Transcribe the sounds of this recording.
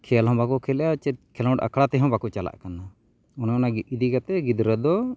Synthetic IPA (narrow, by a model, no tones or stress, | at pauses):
kʰɛlɦɔ̃bakɔkʰɛlɛjat͡ʃɛkʰɛlɔ̃ʈa̰kʰɽat̪ɛɦɔ̃bakɔt͡ʃala̰ʔkana | ɔnaɔnaɡiid̪ikat̪ɛɡid̪ɾəd̪ɔ